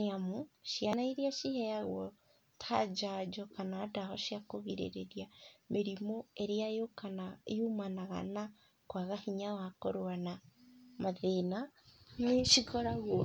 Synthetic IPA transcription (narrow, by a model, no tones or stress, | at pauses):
namuʃianaiɾiaʃihɛjaɣwɔ | tʰad͡ʒad͡ʒɔkanadahɔʃiakoɣiɾḛɾḛɾjameɾimoeɾeaokanaumanaɣa̰na | kwaɣahiɲawakoɾwanamaðenaneʃikɔɾaɣwɔ